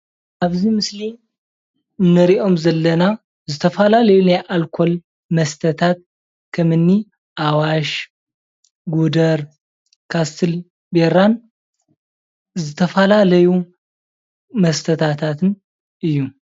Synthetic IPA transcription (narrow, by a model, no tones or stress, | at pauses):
ʔaβzimɨsli | ɨnːɐɾiʔo̞mzɐlːɐna | zɨt̪ʰɐfɐlalɐjunaʔalkʰo̞l | mɐst̪ʰət̪ʰat̪̚ | kʰɐmɨnːi | ʔawaʃ | ɡud̪ɐɾ | kʰast̪ʰɨl | beɾan | zɨt̪ʰɐfəlalɐju | mɐst̪ʰət̪ʰat̪ʰat̪ʰɨn | ʔɨjːu